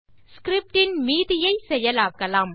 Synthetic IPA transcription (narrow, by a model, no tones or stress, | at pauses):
skɾɪp̚ʈɪnmiːðɪjɐɪsɛjɐlaːkːɐlaːm